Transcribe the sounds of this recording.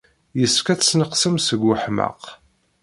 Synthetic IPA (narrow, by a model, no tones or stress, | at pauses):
jəskæsnəqsəmsəɡːəħmə̰q